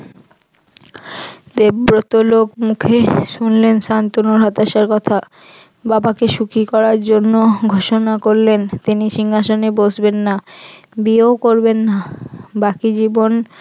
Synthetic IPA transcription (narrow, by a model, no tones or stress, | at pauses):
d̪ebɾot̪olokmukʰeʃunlenʃant̪onoɾɦat̪aʃaɾkɔt̪ʰa | babakeʃukikɔɾaɾd͡ʑonːoɡʱoʃonakoɾlent̪iniʃiŋaʃonebod͡ʑbenːa | biokoɾbenːabakid͡ʑibon